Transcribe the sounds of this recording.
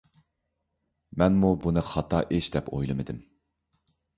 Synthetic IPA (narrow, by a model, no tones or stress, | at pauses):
mɛnmubunɨχɑt̪ʰɑʔeʃd̪ɛpo̰jlˠɨmɨd̪ɪm